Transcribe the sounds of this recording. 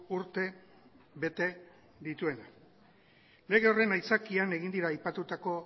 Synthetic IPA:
uɾt̪e̞ | βe̞t̪e̞ | d̪it̪ue̞na | le̞ɣ̞e̞o̞re̞najsakiane̞ɣind̪iɾaːjpat̪ut̪ako̞

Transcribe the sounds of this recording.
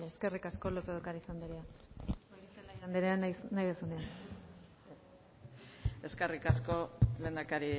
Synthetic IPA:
leeske̞rikaskolot̪eðaukaɾaisand̪eɾea | selaisand̪eɾeannajðesand̪ean | e̞skerikasko̞le̞ːnd̪akaɾi

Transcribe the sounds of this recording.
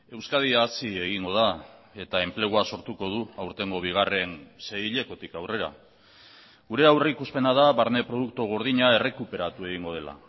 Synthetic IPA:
e̞wskað̞iaːsie̞ɣ̞iŋɡo̞ða | e̞t̪ae̞mple̞ɣ̞uaso̞ɾt̪uko̞ð̞uawɾt̪e̞ŋɡo̞β̞iɣ̞are̞nse̞iʎe̞ko̞t̪ikawre̞ɾa̰ | ɣuɾe̞awrikuspe̞nað̞aβaɾne̞pɾo̞ð̞uk̚t̪uɣ̞o̞ɾð̞iɲae̞re̞kupe̞ɾat̪ue̞ɣ̞iŋɡo̞ð̞e̞la̰

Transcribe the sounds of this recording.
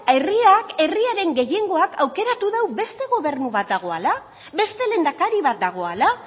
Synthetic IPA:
eriake̞riaɾe̞ŋɡe̞je̞ŋɡo̞akʰawke̞ɾat̪uðawbe̞st̪e̞ɣo̞βe̞ɾnuβat̪̚d̪aɣ̞o̞ala | βe̞st̪e̞le̞nd̪akaɾiβat̪̚d̪aɣ̞o̞ala

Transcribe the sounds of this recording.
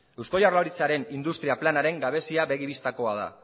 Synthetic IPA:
ewsko̞jarlaɾit͡saɾe̞nind̪ust̪ɾiaplanaɾe̞ŋɡaβe̞siaβe̞ɣ̞iβist̪ako̞að̞a̰

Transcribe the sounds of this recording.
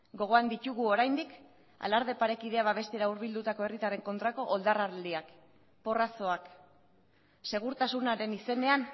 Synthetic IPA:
ɡo̞ɣ̞o̞and̪it̪uɣuo̞ɾajnd̪ik | a̰laɾð̞e̞paɾe̞kiðe̞aβaβ̞e̞st̪e̞ɾauɾβ̞ild̪ut̪ako̞e̞rit̪are̞ŋko̞nt̪ɾako̞ʔold̪araɾld̪iak | po̞raso̞ak | se̞ɣ̞uɾt̪asunaɾe̞nise̞ne̞an

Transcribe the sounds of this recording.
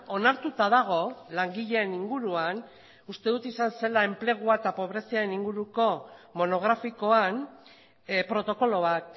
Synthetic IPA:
o̞naɾt̪ut̪aðaɣ̞o̞laŋɡiʎe̞ːniŋɡuɾuan | ust̪e̞ðut̪isanse̞lae̞mple̞ɣ̞uaet̪apo̞βɾe̞siaɾe̞niŋɡuɾuko̞mo̞no̞ɣ̞ɾafiko̞an | pɾo̞t̪o̞ko̞lo̞β̞at̪

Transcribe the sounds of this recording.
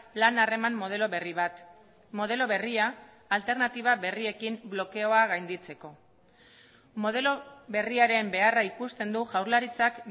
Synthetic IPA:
lanare̞mamːo̞ð̞e̞loβeriβat̪ | mo̞ð̞e̞lo̞βe̞riaː | lt̪e̞ɾnat̪iβ̞aβe̞rie̞kimblo̞ke̞o̞aɣajnd̪it͡se̞ko̞ | mo̞ð̞e̞lo̞βe̞riaɾe̞mbe̞araikust̪e̞nd̪uʝawɾlaɾit͡sak

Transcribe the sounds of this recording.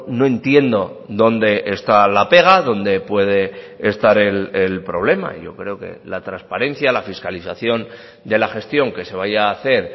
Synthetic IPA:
no̞e̞nt̪je̞nd̪o̞ | ðo̞nd̪e̞ʔest̪alape̞ɣ̞aðo̞nd̪e̞pwe̞ð̞e̞ | eːst̪aɾe̞lelpɾo̞β̞le̞ma̰ʝo̞kɾeoke̞̰lat̪ɾanspaɾe̞nθjalafiskaliθaθjo̞n | d̪e̞laxe̞st̪jo̞ŋke̞se̞β̞ajaːθe̞ɾ

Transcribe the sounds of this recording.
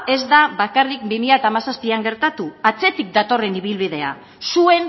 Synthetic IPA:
e̞zd̪aβakarik̚bimiat̪aːmasaspiaŋɡe̞ɾt̪at̪uat͡se̞t̪ik̚d̪at̪o̞re̞niβ̞ilβiðe̞a̰ | sue̞n

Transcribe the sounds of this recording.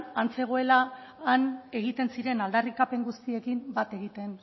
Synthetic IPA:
ant͡se̞ɣ̞o̞e̞laːne̞ɣ̞it̪e̞nsiɾe̞nald̪arikape̞ŋɡust̪ie̞kimbat̪e̞ɣit̪e̞n

